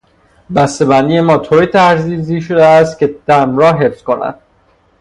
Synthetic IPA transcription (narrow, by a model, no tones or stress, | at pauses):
bæst̪e̞bænije̞mɒːt̪ʰoɾit̪ʰæɾziziːʃod̪eæst̪̚cʲe̞d̪̥æmɾɒːɦefsko̞næ̰d̪̥